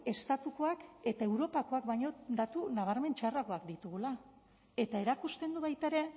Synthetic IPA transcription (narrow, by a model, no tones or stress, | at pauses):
e̞st̪at̪uko̞ake̞t̪ae̞wɾo̞pako̞akbajɲo̞d̪at̪unaβ̞aɾme̞nt͡ʃarako̞akd̪it̪uɣula | e̞t̪ae̞ɾakust̪e̞nd̪uβajt̪aɾe̞